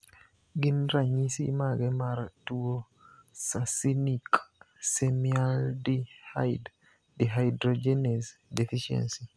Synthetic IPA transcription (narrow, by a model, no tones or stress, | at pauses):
ɡinɾaɲisḭmaɡɛmaɾtuwɔ | sasinik | sɛmialdiha̰jd | dɛɦajdɾɔd͡ʒɛnɛsdɛfiʃɛ̰nsi